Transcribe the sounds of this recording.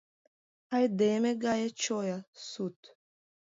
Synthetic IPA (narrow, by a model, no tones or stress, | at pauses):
hajd̪emeɡajat͡ʃɔjasut̪